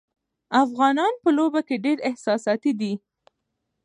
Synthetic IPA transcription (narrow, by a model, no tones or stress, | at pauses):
afɣɑnɑnpəlobakeɖeɾɪhsɑsɑt̪id̪i